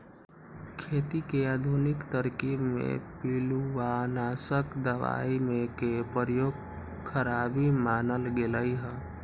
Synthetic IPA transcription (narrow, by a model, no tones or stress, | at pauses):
kʰet̪ikead̪ʱunɪkt̪əɾkibmḛ̃piluwanasəkd̪əʋa̰imekepəɾjoːɡ̚ | kʰəɾabimanəlɡeləiɦə̃